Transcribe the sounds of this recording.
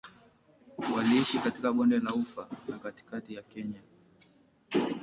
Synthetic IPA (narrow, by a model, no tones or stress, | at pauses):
waliiʃikatikaɓɔndɛlaufanakati̥katijakɛɲa